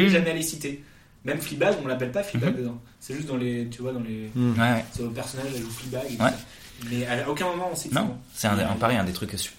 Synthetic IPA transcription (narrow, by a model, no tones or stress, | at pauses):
ʒamɛalesit̪e | mɛmflibaɡɔ̃lapɛlpaflibaɡ̚d̪əd̪ɑ̃ | sɛʒyst̪̚d̪ɑ̃let̪yvwad̪ɑ̃lewɛwɛsɛəpɛʁsɔnaʒaʒuflibaɡewɛ | mɛaaokʲɛ̃mɔmɑ̃ɔ̃sit̪nɔ̃sɛɛ̃ɑ̰̃paʁɛɛ̃d̪et̪χykːy̥